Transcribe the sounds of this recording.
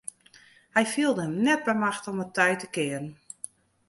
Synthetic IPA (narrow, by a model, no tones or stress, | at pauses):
hɛjfiəlˠdəəmnɛt̚bəmaxtɔmətʰɛjtəkɪərən